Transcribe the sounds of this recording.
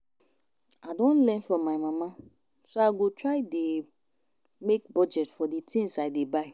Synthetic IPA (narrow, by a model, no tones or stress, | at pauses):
adɔ̃nlɛ̃nfɔmaɪmãmã | soaɡutʰɹaɪde | mek̚bɔd͡ʒɛtfɔdetʰĩnsaɪdebaɪ